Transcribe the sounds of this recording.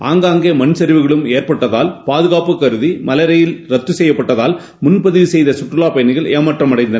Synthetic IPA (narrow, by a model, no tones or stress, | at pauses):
aːŋɡaːŋɡeːmɐnsɐɾɪʋɯɣɐɭɯmeːrpɐʈːɐðaːlpaːðɯɣaːpɯkːɐɾɯðimɐlɐɾɐjɪlɾɐt̪ːɯsɛjːɐpːɐʈːɐðaːl | mʊnpɐðɪʋisɛjðɐsʊʈrɯlaːpɐjɐnɪɣɐɭeːmɐʈrɐmɐɽɐɪnd̪ɐnɐ